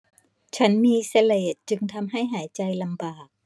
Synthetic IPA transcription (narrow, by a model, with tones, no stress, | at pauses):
t͡ɕʰa˦˥nmiː˧sa˧leː˨˩t̪̚t͡ɕɯ˧ŋt̪ʰa˧mɦa˥˩jɦaː˩˦jt͡ɕa˧jla˧mbaː˨˩k̚